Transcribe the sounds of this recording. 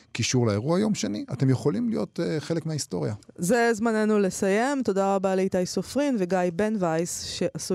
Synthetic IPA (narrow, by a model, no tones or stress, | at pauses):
kiʃuʁlaeʁuajo̞mʃeniate̞mjeχolimlijo̞̰teχelekmeaist̪o̞ʁijaze̞zmanenule̞saje̞mt̪o̞daʁabalejt̪ajsofʁinveɡajbenvajsʃeʔasu